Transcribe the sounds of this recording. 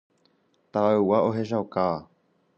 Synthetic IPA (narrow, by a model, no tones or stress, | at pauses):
t̪aawaʔoɦeʃ̬awka